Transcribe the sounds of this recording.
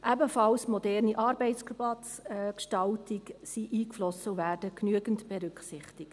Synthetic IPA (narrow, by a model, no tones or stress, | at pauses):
ʔæbəfɑlsmɔdɛɾniʔɑːɾbɛɪtskbɑkʃtɑltɪksiʔiːkflɔsəwvæːɾdəknyəɡəntb̥ɛɾʏkχsɪχtɪkt